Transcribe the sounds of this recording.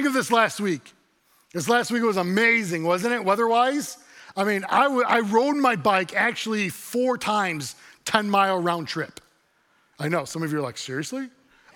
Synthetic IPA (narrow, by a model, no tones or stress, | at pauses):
ɪ̃ŋkʌvðɪslæst̚wik | ðɪs̬læst̚wik̚wʌzəmeɪzɪ̃ŋwʌzɨ̃ñɪt̚wʌðə˞waɪz̥ | aɪmĩna̰ɪwʌa̰ɪɹoʊd̚maɪbaɪkæk̚t͡ʃul̩ˠifɔɹtʰãɪ̃mz̥tʰɛ̃nmaɪlˠəɹãʊ̃ntʰɹ̥ɪp | aɪnoʊsʌ̃mʌvjə˞laɪksɪɹiɨsli